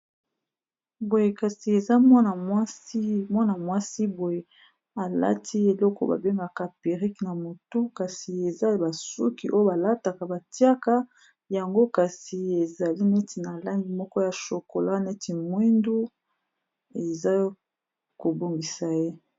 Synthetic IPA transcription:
bo˨je˨ka˨si˨e˨za˦mwa˦na˨mwa˦si˦mwa˦na˨mwa˦si˦bo˨je˨ | a˨la̰˦tʰi˦e˨lɔ˦kɔ̰˦ba̰˨be˦ŋɡa˨ka˨pe˨ʁi˦kna˨mo˨tu˦ka˨si˨e˨za˦˨ba˨sṵ˦kḭ˨ʔo˦jo˦ba˨la˦ta˨ka˨ba˨ti˦a˦ka˦ | ja˨ŋɡo˦ka˨si˨e˨za˨li˦nɛ˦ti˨na˨la˦ŋɡi˨mɔ˦kɔ˦ja˨ʃo˨ko˨la˦nɛ˦ti˨mwi˦ndu˦ | e˨za˦ | ko˨bo˨ŋɡi˨sa˨je˦

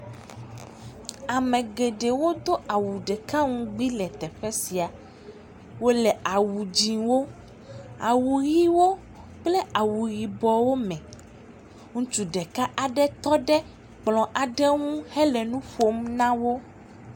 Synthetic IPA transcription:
a˨mɛ̃˨ɡe˨ɖe˨wo˦d̪o˦ʔa˨wu˨ɖɛ˨ka˦ŋũ˦ɡ͡bi˦lɛ˨t̪ɛ˨ɸɛ˦si˨a˨ | wo˦lɛ˨a˨wu˨d͡ʑĩ˨wo˦ | a˨wu˨ɣi˦wo˦ | k͡plɛ˦a˨wu˨ɣi˨bɔ˨wo˦mɛ̃˨ | ŋũ˦t͡ʃu˨ɖɛ˨ka˦ʔa˨ɖɛ˦t̪ɔ˦ɖɛ˦ | k͡plɔ̃˨ʔa˨ɖɛ˦ŋũ˦hɛ˦lɛ˨nũ˦ɸo˦mnã˦wo˦

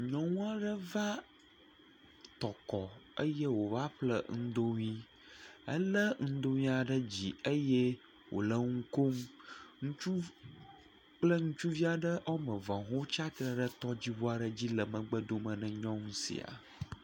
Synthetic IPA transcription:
ɲɔ̃˦ŋũ˦a˦ɖə˦va˦ | t̪ɔ˨kɔ˨ə˦jɛ˦wo˨va˦ɸlə˦ŋ̩̃˦d̪o˦ɲĩ˦ | ə̰˦lə˦ŋ̩˦d̪o˦ɲĩ˦a˨ɖə˦d͡ʑi˨ə˦jɛ˦ | wo̰˨lə˦ŋũ˦ko˦mŋũ˦t͡ʃu˦ | k͡plə˦ŋũ˦t͡ʃu˦vi˦a˨ɖə˦ʔɔ˦mə̃˨vã˨ɦo˦t͡ʃa˦t̪ɾə˨ɖə˦t̪ɔ˦d͡ʑi˦wo˦a˨ɖə˨d͡ʑi˦lə˨mə̃˨ɡ͡bə˦d̪o˦mə̃˨nə̃˨ɲɔ̃˦ŋũ˦sḭ˨a̰˨

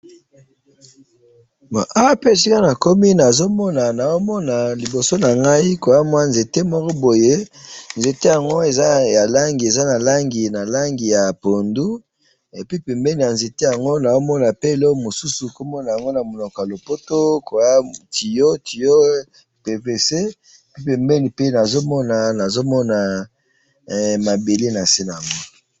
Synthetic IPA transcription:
ma˨ʔa˦pe˦e˨si˦ka˦na˨ko˦mi˦na˨zo˦mɔ˦na˨na˨zo˦mɔ˦na˨li˨bo˨so˦na˨ŋɡa˦i˦ko˨ja˦mwa˦nze˨te˦mɔ˦kɔ˦bo˨je˦nze˨te˦ja˨ŋɡo˦e˨za˦ja˨la˦ŋɡi˨e˨za˦na˨la˦ŋɡi˨na˨la˦ŋɡi˨ja˨po˨ndu˦ | e˨pi˦pɛ˨mbɛ˦ni˨ja˨nze˨te˦ja˨ŋɡo˦na˨o˦mɔ˦na˨pe˦˨lɔ˦˨mo˨su˦su˨ko˦mɔ˦na˨ja˨ŋɡo˦na˨mo˨nɔ˨kɔ˨ja˨lo˨po˦to˦ko˨ja˦tʰi˨jo˦tʰi˨jo˦˨ | pe˨ke˨se˦ | e˨pi˦pɛ˨mbɛ˦ni˨pe˦na˨zo˦mɔ˦na˨na˨zo˦mɔ˦na˨˦ | ma˨be˨le˦na˨se˦na˨ŋɔ˦

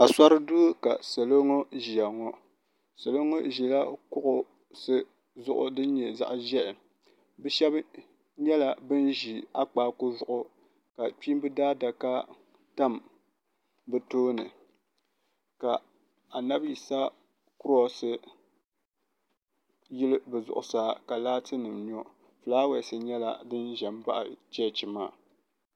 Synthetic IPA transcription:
a˨sa˦ɾɨ˦du˦ka̰˨sa˨lo˦ŋo˦ʒi˨a˨ŋɔ˦ | sa˨lo˦ŋo˦ʒi˨la˦kʊ˦ʔʊ˨ | sɨ˦ | zʊ̰˦ʔʊ̰˦dɨ˦n˦ɲɛ˨za̰˨ʔʒɛ˦ʔɪ˨ | bɛ˦ʃɛ˦b | ɲɛ˦la˨bɨ˦nʒi˨a˦k͡paː˨˦kʊ˦zʊ˨ʔʊ˦ | ka˨k͡pi˦mbɨ˦daː˦da˨ka˦ | ta˦m | bɨ˨toː˦nɨ˨ | ka˨ | a˨na˦bji˨sa˦ | kʊ˦ɾɔ˦sɨ˦ | jɪ˦lɨ˦bɨ˨zʊ̰˨ʔʊ˨saː˨ka˨laː˦tɨ˦nɨ˨mɲɔ˦ | fɨ˨laː˦wɛ˨sɨ˨ɲɛ˦la̰˨dɨ˦nʒɛ˨m˦ba˦ʔa̰˨t͡ʃɛ˦˨t͡ʃi˨ma̰ː˦

